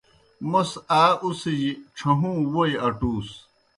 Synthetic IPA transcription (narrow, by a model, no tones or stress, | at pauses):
mɐsaːusid͡ʑiʈ͡ʂʰɐɦũːwoiɐʈuːs